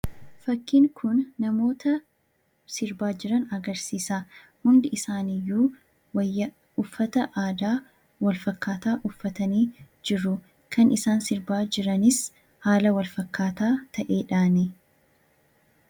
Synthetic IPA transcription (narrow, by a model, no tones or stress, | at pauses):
fɐkːiːŋkʰʊnːɐmo̞ːt̪ɐ | sɪɾbaːd͡ʒɪɾɐnɐɡɐɾsiːsaː | hʊnd̪ɪʔɪsaːnɪjːuː | wɐjːɐ | ʊfːɐt̪ɐʔaːd̪aː | wɐlfɐkːaːt̪aːʔʊfːɐt̪ɐniː | d͡ʒɪɾʊ | kʰɐnɪsaːnsɪɾbaːd͡ʒɪɾɐnɪs | haːlɐwɐlfɐkːaːt̪aːt̪ʰɐʔe̞ːᶑaːnɛ